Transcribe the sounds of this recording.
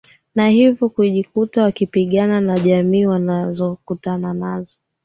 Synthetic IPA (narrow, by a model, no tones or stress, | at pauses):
nahivjɔkuʄikutawakipiɠananaʄamiːwanazɔkutananazɔ